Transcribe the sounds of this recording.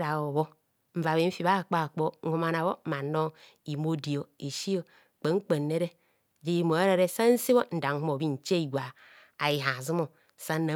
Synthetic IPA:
ɾa˨o˨βo˦ | m̩˨va˨βe˨m̩˦fi˨βa˦˨k͡po˦a˨k͡po˦ŋ̩˦u˦ma˨na˨βo˦ma˨no˦ | i˨mo˦di˨o˨e˨ʃi˦o˦˨ | k͡pe˨ŋ͡m̩˦k͡pe˨nːe˦ɾe˦˨ | d͡ʒe˨˦i˨mo˨e˦ɾe˦ɾe˦sa˦n̩˦si˦bo˦n̩˨da˨ŋ˦hu˦mo˨bi˦n̩˨t͡ʃe˦i˨ɡʷa˨ | a˨ji˨ɦa˨zi˦mo˦˨ | sa˦na˨

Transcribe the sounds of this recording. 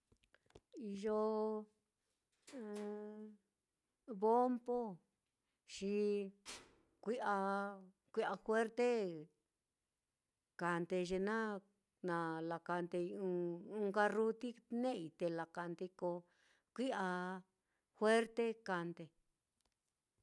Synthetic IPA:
i˧ʒo˧ | βo˦mpo˦ | ʃi˧ | kʷi˦ʔa˧ | kʷi˦a˧xwe˦ɾt̪e˦ | ka˨nt̪e˧ʒe˧nã˦ | nã˧la˨ka˧nt̪e˧ũ˧ũ˧ka˧ru˧t̪i˦nẽ˦˨i˧t̪e˧la˨ka˧nt̪e˧ko˧ | kʷi˦ʔa˧ | xwe˦ɾt̪e˦ka˧nt̪e˧

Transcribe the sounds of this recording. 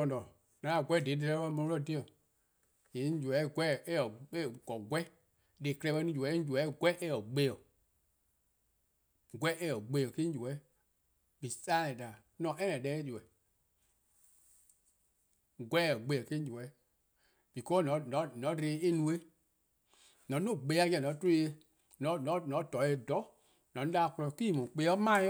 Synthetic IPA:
ɔ˧˨nɔ̃˨ | nã˨˦a˨ɡʷɛ˦˨de˨˦de˧ɛ˧˦ɓa˧˦mɔ̃˧˦lɔ˦˨de˦ɔ̃˨ | jẽ˨˦d͡ʒu˨ɛ˨˦ɡʷɛ˦˨e˦ɔ˨e˦˨ɡɔ˨ɡʷɛ˦ | de˨klɛ˧ɓɛ˧˦nĩ˦d͡ʒu˨ɛ˨˦d͡ʒu˨ɛ˨˦˨ɡwɛ˦ʔe˦ɔ˨ɡ͡be˦ɔ˨ | ɡʷɛ˦ʔe˦ɔ˨ɡ͡be˧˦ɔ˨ke˦d͡ʒu˨ɛ˨˦ | bi˨saː˦ɛ̃˨da˨ | nɔ̃˨ʔɛ˦nɛ̃˨dɛ˦e˦d͡ʒu˨ɛ˨ | ɡwɛ˦ɔ˨ɡ͡be˧˨ɔ˨ke˦d͡ʒu˨ɛ˨˦ | b̥i˨kɔ˦nɔ̃˨˦nɔ̃˨˦nɔ̃˨˦ɾe˧˦e˦nũ˧˦e˦ | nɔ̃˨˦õ˦˨ɡ͡be˨˦a˦kɛ˧˨nɔ̃˨˦te˦˧˦e˧ | nɔ̃˨˦nɔ̃˨˦nɔ̃˨˦tɔ˨˦e˧dɔ˨˦ | nɔ̃˨˦a˦˨klɔ˧˨kʷiː˦˨mɔ̃˨k͡pe˧˦ɔ˦mã˦

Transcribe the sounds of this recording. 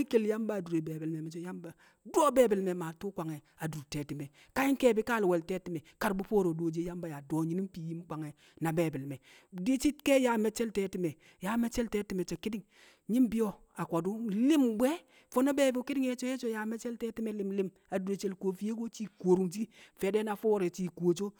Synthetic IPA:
i˦ke˨lja˦mba˦˨du˨ɾe˨be˨bi˨lme˨mɛ˨t͡ʃo˦ja˦mba˨ | do˦be˦bi˨lme˨ma˨tu˦kʷa˨ŋe˨ | a˨du˨ɾte˨ti˨me˨ | ka˦ji˦ŋ˦ke˦˨bi˦ka˦lwɛ˨lte˦ti˨me˨ka˨ɾbu˦po˦ɾo˨do˨d͡ʒe˦ja˦mba˨ja˨do˨ɲi˦ni˦mpi˨ji˦m˦kʷa˨ŋe˨ | na˨beː˨bi˨lme˨ | di˦t͡ʃi˦tke˦ja˨me˨˦t͡ʃɛ˦lteː˦ti˨me˨ | ja˦me˦t͡ʃe˦lte˦ti˨me˨t͡ʃe˨ki˦di˦ŋ | ɲi˦mbi˦jo˦ | a˨kʷa˨du˦li˦mbʷe˦ | fo˦na˦be˦˨bo˨ki˦di˦ŋe˦t͡ʃo˦je˦t͡ʃo˦ja˨˦me˦t͡ʃɛ˦lte˦ti˦me˨˦li˦mli˦m | a˨du˨e˨t͡ʃe˦lko˦fi˦je˦ɡo˦t͡ʃi˦ko˨ɾu˨ŋd͡ʒi˦fe˨˦de˦na˨fo˦wo˦ɾe˨t͡ʃi˨ko˨t͡ʃo˦

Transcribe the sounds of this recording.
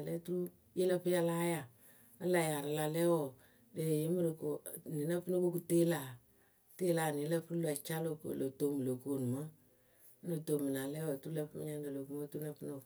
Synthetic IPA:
lɛ˦tu˦ɾu˦ | je˦lə˦pɨ˦ja˦la˦ja˨ | ə˦la˨ja˨ɾa˨la˨lɛ˦wɔ˨ | de˨je˦mə˦ɾko˨ni˨na˦pɨ˦no˦ko˦ku˦te˦la˨ | te˦la˨ni˨˦lə˦pu˦ɾla˨t͡ʃa˦lo˨ko̰˨lo˨to˦˨mɨ˨lo˨ko˨nu˨mə˦ | no˨to˨mɨ˨na˨lɛ˦wɔ˨tu˦u˦lə˦pm̰˦ɲa˦n˦da˨lo˨ku˦mo˦tu˦na˨pɨ˦no˨

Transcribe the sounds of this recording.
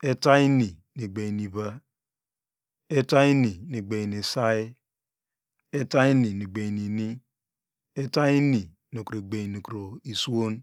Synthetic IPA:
e˦ta˦i˦ni˨ | ni˨ɡ͡be˨i˨ni˨βa˦ | e˦ta˦i˦ni˨ni˨ɡ͡be˨i˨ni˨sa˦i˦ | e˦ta˦i˦ni˨ni˨ɡ͡be˨ni˨ni˦ | e˦ta˦i˦ni˨ | no˨kɾo˨ɡ͡be˨i˨ni˨kɾo˨i˨su˦o˦n

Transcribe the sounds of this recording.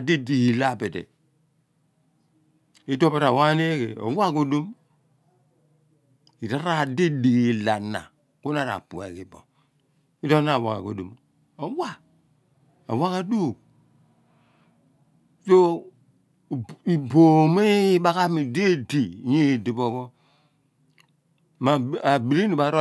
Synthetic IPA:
di˦di˨ki˨la˦˨be˨tḛ˨ | i˦do˦pe˦ta˨wa˦ne˦kḛ˨o̰˨˦wa˦ku˦du˦m | i˨ɾa˦ɾa˦˨de˦di˨ki˨la˨nːa̰˨ | ku˦na˨ɾa̰˨pu˨ḛ˨ki˨bɔ̰˨ | i˦do˦na˦˨wa˨ka̰˨ɡo˨du˨m | o˨wa˦ | a̰˨wa˦ka˨du˦˨ | so˦˨ | i˨bo˨me˦ba˦ka˦mi˨de˦di˨je˦˨di˨bo˦˨bo˦ | ma˨a˨bi˨ɾi˦ni˨ba˨˦ɾo˦

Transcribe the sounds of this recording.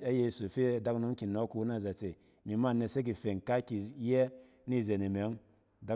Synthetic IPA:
a˦je˧˨su˨fe˦a˨da˦kno˦mki˨nɔ˦ku˧wu˦na˦˨za˨t͡se˨ | mi˨ma˦˨nːe˧se˦k̬i˨fe˨ŋka˦ki˨jɛ˦ | ni˦˨ze˨ni˨me˨˦ŋ | da˦

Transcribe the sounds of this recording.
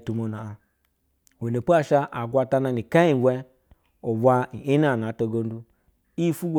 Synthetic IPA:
tu˨mo˨na˨a˨ | we˨ne˨pu˦a˦˨ʃa˦ʔa˨ɡʷa˨ta˦na˨ni˨ka˦i˨ɡʷɛ˦ | o˨bʷa˦i˨i˦n˦a˦˨na˨˦to˨ɡo˦n˦du˦ | i˦fu˦ɡʷo˨

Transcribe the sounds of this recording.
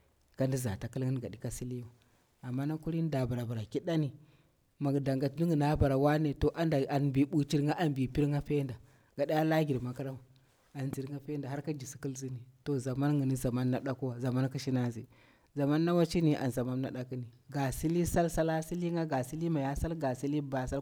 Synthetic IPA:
ka˨˦ndi˦za̰˨ta˨ki˦lŋi˦nɡa̰˨ɗi˨˦ka˦si˦li˦wa˨ | a˨mːa˦na˦ku˦ɾi˦n˦da˨ba˨ɾa˨ba˨ɾa˨ki˦ɗa˦ni˨ | ma˨ɡda˨ŋɡa˨tni˦ŋɡə˨na˦ba˨ɾa˨wa˦ne˨to˨ʔa˨˦nda˨a˨nbi˨bu˨t͡ʃi˦ɾa˦ʔa˨nbi˨pi˦ɾŋa˦fe˦nda˨ | ɡa˨ɗa˦ja˦la˦ɡi˨ɾma˨ka˦ɾa˦m˨ | a˨nzi˨ɾŋɡa˦pe˦nda˨ɦa˦ɾka˦d͡ʒi˨si̥˨ki˦lzi˦ni˨to˨za˨ma˦nŋə˨ni˦za˨ma˦nːa˦ɗa˦ko˦wa˨za˨ma˦nki˦ʃi˦na˦zi˨ | za˨ma˦nːa˦wa˦t͡ʃi˦ni˨ʔa̰˨nza˨ma˦mna˨ɗa˦ki˦ni˨ɡa˨si˦li˦sa˦lsa˦la˦si˦li˦ŋɡa˦ɡa˨si˦li˦ma˨ja˦sa˦lɡa˨si˦li˦ba˨sa˦l

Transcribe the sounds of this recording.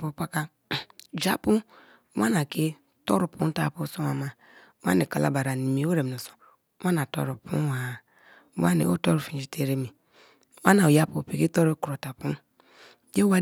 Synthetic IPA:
pu˨pa˦ka˦ | d͡ʒa˦pu˦ | wa˦na˨ke˦ | to˦ɾu˨pu˦ta˦˨pu˦so˦wa˨ma˨˦ | wa̰˦ni˨ka˨la̰˦ba˨ɾa˨ni˨mi˨˦o˦ɾe˨m˨o˨so̥˨˦ | wa˦na˨to̰˦ɾu˨pʰṵ˦wa˨˦ | wa˦nḭ˨o˦to˦ɾu˨fĩ˨d͡ʒi˨te˦ɾe˦mi˨˦ | wa˦na˨o˨ja˦pu˨pi˨ki˦to˦ɾo˦ku˨ɾo˨ta˨pu˦ | je˦wa˦

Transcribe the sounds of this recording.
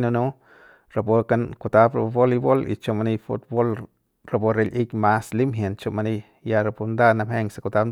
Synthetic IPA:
no˧nu˦ | ɾa˨po˧ka˧nku˨t̪a˦pɾa˧bo˦li˧bo˦lḭ˨t͡ʃo˧ma˧ni˧fṵ˦t̪̚bo˦l | ɾa˨bo˧ɾe˧lʔi˦kʲma˦sli˦mɦje˨nt͡ʃo˧ma˧ni˦ | ja˧ɾa˧pu˧nd̪a˦na˧mhe˦ŋsa˨ku˧t̪a˦pn

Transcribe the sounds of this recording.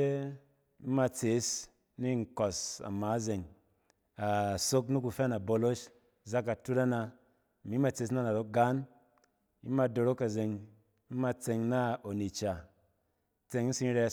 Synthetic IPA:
e˦ | i˦ma˧t͡se˨˦s | ni˦ŋ̩˨kɔ˨sa̰˨maː˨˦ze˨ŋ | a˨so˦knu˦ku˨˧fɛ˦na˨bo˧lo˦ʃ | za˦kːa˨tu˦ɾa˦na˧˨ | mi˨˦ma˧t͡se˨˦s̬na˦˨na˨ɾo˨˦k̚ɡa˦n | ḭ˦ma˧do˧ɾo˦ka˨ze˨ŋ | i˦ma˧t͡se˧ŋna˦o˨ni˨t͡ʃa˨ | t͡se˧ŋ̩˦si˧˦ɾɛ˧˦

